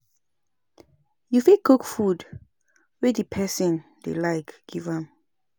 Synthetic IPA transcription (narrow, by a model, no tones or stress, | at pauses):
jufikʰukfud | wɛdipʰɛsɔ̃n | d̥ḛlajkɡ̥ivãm